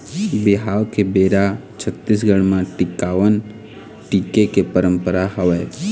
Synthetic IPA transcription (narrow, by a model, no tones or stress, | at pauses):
bɪɦaːwkebeːɾa | t͡ʃʰət̪ːis̬ɡəɽ̃mãʈɪkaːʋən | ʈiːkekepəɾə̃mpəɾaɦəʋeː